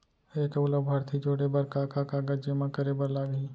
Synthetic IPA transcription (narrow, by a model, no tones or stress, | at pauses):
eːkʊləbbʱɐɾt̪ʰid͡ʒoːɽebɐɾkaːkakaɡɐd͡ʒemãkəɾebəɾlaːɡiː